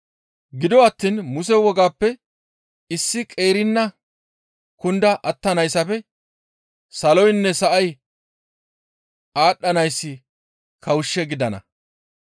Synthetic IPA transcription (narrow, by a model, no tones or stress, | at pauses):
ɡɪd̪ɔɐt̪ːiːnmʊsɛwɔɡaːpːɛ | ɪsːɪkʼe̞ːɾɪnːɐ | kʊnd̪ɐʔɐt̪ːɐnɐjsɐpɛ | sɐlɔjnːɛsɐʔɐj | aːɗːɐnɐjsːɪ | kʰɐwʊʃːɛɡɪd̪ɐnɐ̰